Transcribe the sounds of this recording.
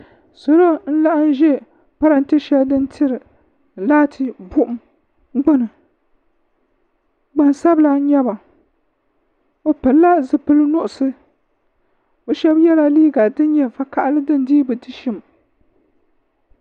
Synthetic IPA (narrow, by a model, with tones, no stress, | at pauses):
so˨ɾo˦n̩˦la˦ʔa˦n˦ʒɛ˦ | pa˦ɾa˨n˦tɪ˦ʃɛ˦ldɨ˦ntʰɨ˦ɾɨ˨ | laː˦tʰɨ˨bʊ˦ʔʊ˨m˦ | ɡ͡ba˦nɨ˨ | ɡ͡ba˨n˨sa˦bla˦ɲɛ˦ba˨ | o˨pɨ˨lːa˦zɨ˨pɨ˦lɨ˦nʊ˦ʔʊ˨sɨ˦ | o˦ʃɛ˦bjɛ˦la˦liː˦ɡa˨dɨ˦nɲɛ˨va˨ka˨ʔlɨ˦dɨ˦n˨diː˦bɨ˨dɨ˦ʃɪ˦m